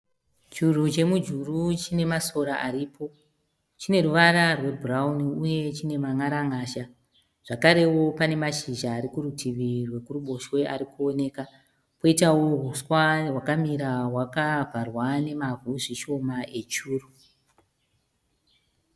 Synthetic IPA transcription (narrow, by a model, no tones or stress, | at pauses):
t͡ʃurut͡ʃe̞mud͡ʒurut͡ʃine̞maso̞ɾaʔaɾiːpʰo̞ | t͡ʃine̞ruʋaɾarwe̞bʱurauniuje̞t͡ʃine̞maŋaɾaŋaːʃa | ʐ̥akaɾe̞wo̞pane̞maʃiʒaːɾikurutʰiʋirwe̞kuruɓo̞ʃwe̞ʔaɾikuo̞ne̞ːka | po̞itawoɦuswawakamiɾawakavʱarwane̞mavuʐiʃo̞mae̞t͡ʃuːru